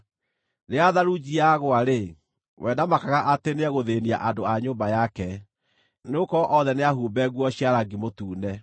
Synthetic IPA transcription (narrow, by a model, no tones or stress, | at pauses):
neaðaɾud͡ʑiaɣoaɾe | wɛːndamakaɣaʔateneɛɣoðenia̰ʔandoaɲoːmbajakɛ | neokɔʔɔðɛneaɦuːbɛɣwɔɕiaɾaɡimotuːnɛ